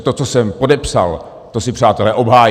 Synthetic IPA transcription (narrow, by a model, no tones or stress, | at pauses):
t̪ot͡sosɛmpo̞dɛpsa̰l | t̪osɪpr̝̥aːt̪ɛlɛʔo̞bɦaːj